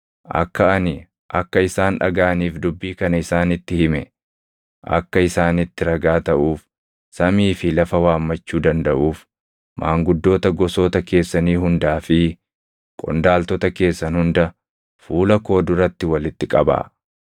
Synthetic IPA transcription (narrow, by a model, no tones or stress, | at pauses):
ʔɐ̰kːɐɐnɪ | ʔɐ̰kːɐɪsaːnᶑɐ̰ɡaːɐniːfd̪ʊbːiːkɐnɐɪsaːnɪt̪ːɪhɪmɛ | ʔɐ̰kːɐɪsaːnɪt̪ːɪɾɐɡaːt̪ɐʔuːf | sɐmiːfɪlɐfɐwaːmːɐt͡ʃːuːd̪ɐnd̪ɐʔuːf | maːŋɡʊd̪ːo̞ːt̪ɐɡɔsoːt̪ɐke̞ːsːɐniːɦʊnd̪aːfɪ | kʼɔ̰nd̪aːlt̪ɔt̪ɐke̞ːsːɐnhʊnd̪ɐ | fuːlɐko̞ːd̪ʊɾɐt̪ːɪwɐlɪt̪ːɪkʼɐba̰ː